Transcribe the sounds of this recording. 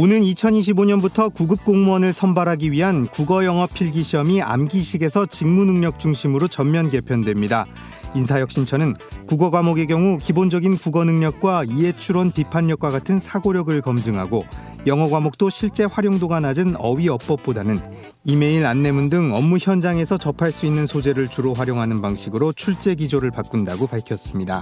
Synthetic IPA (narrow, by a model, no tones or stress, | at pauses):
onɯnit͡ɕʰʌniɕ̬ʰiboɲʌnbutʰʌkuɡɯp̚k͈oŋmuʌnɯɭsʰʌmbaɾɦaɡiɥiɦankuɡʌjʌŋɦʌpʰiɭɡiɕʰiʌmia̰mɡiɕʰiɡe̞sʰʌt͡ɕiŋmunɯŋɲʌk̚t͡ɕ͈uŋɕʰimɯɾot͡ɕʌmmjʌnke̞pʰjʌndwe̞mɲida | insʰajʌk̚ɕ͈int͡ɕʰʌnɯnkuɡʌɡwamoɡe̞ɡjʌŋukibond͡ʑʌɡinkuɡʌnɯŋɲʌk̚k͈waie̞t͡ɕʰuɾonpipʰanːʌk͈̚waɡatʰɯnsʰaɡoɾjʌɡɯɭkʌmd͡ʑɯŋɦaɡo | jʌŋɦʌɡwamok̚t͈oɕʰiɭt͡ɕ͈e̞ɸwaɾjoŋdoɡanad͡ʑɯnʌɥiʌp̚p͈ʌp̚p͈odanɯn | ime̞iɾanːe̞mundɯŋʌmːuçjʌnd͡ʑaŋe̞sʰʌt͡ɕʌpʰaɭs͈uinːɯnsʰod͡ʑeɾɯɭt͡ɕuɾoɸwaɾjoŋɦanɯnpaŋɕʰiɡɯɾot͡ɕʰuɭt͡ɕ͈e̞ɡid͡ʑoɾɯɭpak͈̚undaɡopaɭkʰjʌs͈ɯmɲida̰